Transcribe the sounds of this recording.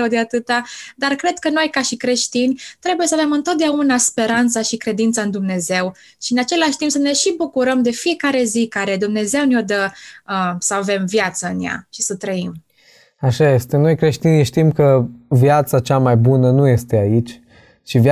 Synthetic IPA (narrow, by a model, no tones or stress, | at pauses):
əwd̪eat̪ɨt̪ad̪arkɾe̞d̪̚kəno̞jkaʃikɾe̞ʃt̪inʲt̪ɾe̞buje̞səave̞mɨnt̪ot̪̚d̪eaunaspe̞ɾant̪saʃikɾe̞d̪int̪səɨnd̪umne̞ze̞w | ʃiɨnat͡ʃe̞laʃʲt̪impsəne̞ʃibukuɾəmd̪e̞fije̞kaɾe̞zikaɾe̞d̪umne̞ze̞wneo̞d̪əəsəave̞mvjat̪səɨnja̰ʃisət̪ɾəim | aʃajest̪eno̞jkɾe̞ʃt̪iniʃt̪imkəvjat̪sat͡ʃamajbunənuje̞st̪e̞ait͡ʃʲ | t͡ʃiv